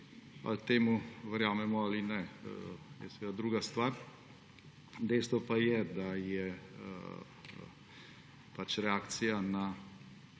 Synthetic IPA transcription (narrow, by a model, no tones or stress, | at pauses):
a̰lt̪eːmuʋəɾjaːmɛmɔaːlinɛ | jɛ̰sɛʋed̪ad̪ɾuːɡast̪ʋaːɾ | d̪ɛjst̪ʋɔpajɛd̪ajɛ̰ | pat͡ʃɾɛaːkt̪sijana